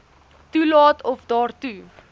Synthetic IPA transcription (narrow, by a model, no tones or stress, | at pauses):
tulɑːtʰɔfdɑːrtu